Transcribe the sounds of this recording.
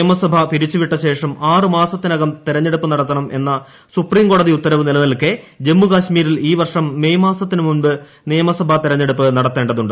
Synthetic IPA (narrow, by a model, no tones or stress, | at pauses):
ɐmɐsɐbʱɐpiɾit͡ɕːuʋiʈːɐɕe̞ːʂɐmaːrɨmaːsɐt̪ːinɐɣɐmt̪iɾɐɲːe̞ɽupːɨnɐɽɐt̪ːɐɳɐmʔe̞nːɐ | supriːmko̞ːɽɐðiut̪ːɐɾɐʋɨnilɐnɐlkːe | d͡ʑe̞mːukaːɕmiːɾiliːʋɐrʂɐmːe̞jmaːsɐt̪ːinɨmunbɨ | nijɐmɐsɐbʱɐt̪iɾɐɲːe̞ɽupːɨnɐɽɐt̪ːe̞ːɳɖɐðuɳɖɨ